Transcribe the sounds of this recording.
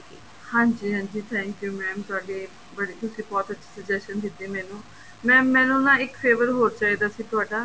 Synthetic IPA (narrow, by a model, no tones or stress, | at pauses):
hãːɲd͡ʒiːɦãːɲd͡ʒiːt̪ʰɛ̃ːŋkjuːmɛ̃ːmt̪ʊaːɖeː | bəɽiːt̪ʊsĩːbɔːt̪ətːʃʰi̥ːsəd͡ʒɛsʃənd̪ɪt̪ːiːmɛ̃ːnũː | mɛ̃ːɛ̃ːnũːnãːɪkpʰeːʋəɾɦoːɾt͡ʃaːiːd̪aːsiːt̪ʊaːɖaː